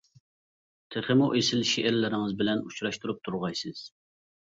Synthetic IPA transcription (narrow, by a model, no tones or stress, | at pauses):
t̪ʰeχɪmuʔesɪlʃiʔɛɾlɪɾɪŋɨzbɪlɛnut͡ʃɾɑʃt̪uɾup̚t̪ʰuɾʁɑjsɨz̥